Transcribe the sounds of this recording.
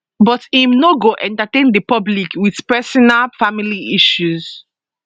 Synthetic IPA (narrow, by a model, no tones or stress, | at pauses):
bɔtĩmnoɡoʔɛ̃ntatẽndəpɔblikwiθpɛsɔnalfamiliʔiʃuz